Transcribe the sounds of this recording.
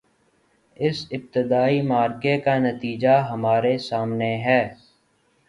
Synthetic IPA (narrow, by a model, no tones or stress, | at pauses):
ɪsɪb̚t̪ɪd̪aːimaːɾkekanɐt̪iːd͡ʒaɦɐmaːɾesaːmneɦɛː